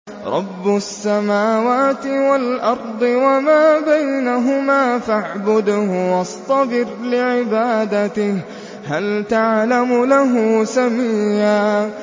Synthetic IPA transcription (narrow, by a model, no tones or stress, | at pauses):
ɾˤɑbːʊsːamaːwaːt̪ɪwalʔɑɾˤd̪ˤɨwamaːbajnaɦʊmaːfaʕbʊd̪hʊwɑst̪ˤɑbɪɾlɪʕɪbaːd̪at̪ɪh | halt̪aʕlamʊlaɦʊsamiːjaː